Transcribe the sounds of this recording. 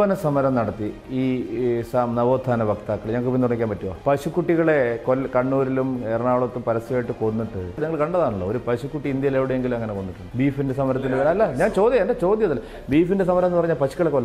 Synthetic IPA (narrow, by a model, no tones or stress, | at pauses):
ʋɐnɐsɐmɐɾɐmnɐɽɐt̪ːi | iːsamnɐʋo̞ːd̪ʱːaːnɐbɐkt̪aːkːɐɭɲɐŋːɐkɨpint̪uɽɐŋikʲːaːmpɐtːuʋa̰pɐɕukːuʈːiɣɐɭe̞kolkɐɳːuːɾilumeːɾɐɳaːɭoɐt̪ːumpɐɾɐsɐʋaːjiʈːɨko̞nːiʈːɨneŋːɐɭkɐɳɖɐðaːɳuɭːoːoɾupɐɕukːuʈːiind̪jɐjileʋiɽejeŋɡilumɐŋːɐne̞ko̞nːiʈːunːbiːfindesɐmɐɾɐt̪ːilʋɐɾaɐlːɐɲaːnt͡ɕo̞ːd̪jɐendɐt͡ɕo̞ːd̪jɐðɐlːɐ | biːfindes̬ɐmɐɾɐmnːɨpɐrɐɲːaːlpɐɕukːɐɭekːolːɐ